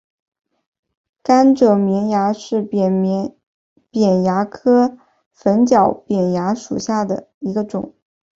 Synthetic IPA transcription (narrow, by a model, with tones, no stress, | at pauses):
ka˥nʈ͡ʂɤ˨˩mi˧˥nja˧˥ʂɻ̩˥˩˧ | pjɛ˨˩nja˧˥kʰɤ˥ | fə˧˥nt͡ɕjɑ˨˩ʊpjɛ˨˩nja˧˥ʂṵ˨˩ɕja˥˩d̪ə˩ | i˧˥ɡə˧ʈ͡ʂʊ̰˨˩˦ŋ